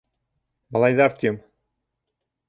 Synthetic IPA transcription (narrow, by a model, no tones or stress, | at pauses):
bɑlˠɑjðɑɾt̪ʲøm